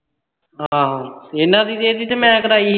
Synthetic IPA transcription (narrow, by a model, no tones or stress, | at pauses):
ɦãːɦãːɪnãːd̪iːd̪eːd̪iːt̪emɛ̃ːkəɾaːi